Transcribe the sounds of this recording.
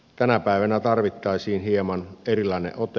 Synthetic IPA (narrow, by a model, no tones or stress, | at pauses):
t̪ænæpæˑeʋænæt̪ɑrʋit̪ːɑisiːnhiemɑnerilɑˑinḛʔʔot̪e